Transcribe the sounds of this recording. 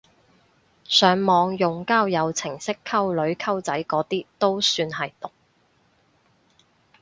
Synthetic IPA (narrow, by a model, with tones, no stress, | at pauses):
sœː˨˥ŋmɔː˨˧ŋjʊ˨ŋkaː˥wjɐ˨˧wt͡sʰɪ˨˩ŋsɪ˥kʰːɐ˥wlɵ˨˧˥ɥkʰɐ˥wt͡sɐ˨˥jkɔː˨˥t̪iː˥t̪o˥wsyː˧nhɐ˨jt̪ʊ˨˩k̚